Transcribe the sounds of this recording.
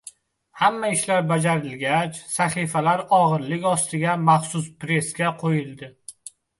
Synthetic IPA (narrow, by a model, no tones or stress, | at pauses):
hamːaɪʃlaɾbad͡ʒaɾɪlɡʲat͡ʃsaχifalaɾɒʁɨɾlɪkʲɒst̪ɪɡʲamaχsʊspɾe̞skʲaqʰojɪlˠd̪ɪ